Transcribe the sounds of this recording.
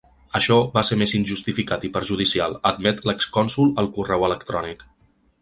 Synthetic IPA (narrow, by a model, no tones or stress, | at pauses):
əʃɔβaseɾmezinʲʒust̪ifikat̪ipəɾʒuð̞isialˠəd̪mɛt̪ləkskɔnsulˠəlˠkurɛwələkt̪ɾɔnik